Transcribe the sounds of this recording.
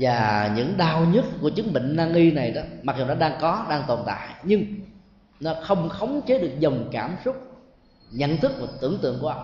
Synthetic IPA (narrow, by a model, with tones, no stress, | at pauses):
vaː˨˩ɲɨ̰˧˥ŋɗaː˧wɲə˦˥t̚ku˧˩ət͡ɕɨ˨˦ŋɓḭ˧˨ŋ̟naː˧ŋʔi˧na˨˩jɗɔ˨˦ma˨˩zu˨˩nɔ˨˦ɗaː˧ŋkɔ˨˦ɗaː˧ŋt̪o˨˩nt̪a̰ː˧˨jɲɨ˧ŋ | nɔ˨˦xə˧wŋ͡mxə˨˦wŋ͡mt͡ɕe˨˦ɗɨ˨˩ək̚zə˨˩wŋ͡mkaː˧˩msʊ˦˥k͡p̚ | ɲə̰˧˨nt̪ʰɨ˦˥k̚mo˨˩t̪ɨ̰˧˩əŋt̪ɨ̰˧˨əŋku˧˩˦ʔ